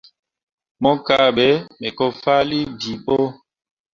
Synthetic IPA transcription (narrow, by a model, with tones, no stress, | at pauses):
mɔ˦ka˦˨ɓɛ˨˦mɛ˨kɔ˦fa˦li˦bi˨ɓo˦